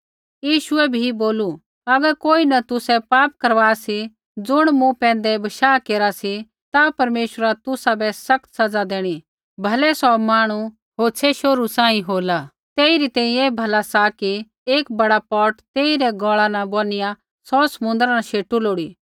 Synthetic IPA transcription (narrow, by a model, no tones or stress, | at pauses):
jiːʃʊɛbʱiboːlu | ɐɡəɾkoːinɐt̪ʊsɛpaːp̚kɐɾʋaːsi | d͡zʊɽ̃mũpɛ̃ːnd̪ɛbɐʃaːkeːɾasi | t̪apɐɾmeːʃəɾat̪ʊsabɛsɐk̚t̪sɐd͡zad̪eːɽ̃i | bʱɐlɛsɔmaːɽ̃u | ɦoːt͡sʰɛʃoːɾusãːĩɦoːla | t̪eːiɾit̪ɛ̃ːĩeːbʱɐlasaki | eːkbɐɽapɔːʈt̪eːiɾɛɡɔːɭanɐboːnɪja | sɔsɐmʊ̃nd̪ɾanaʃeːʈuloːɽiː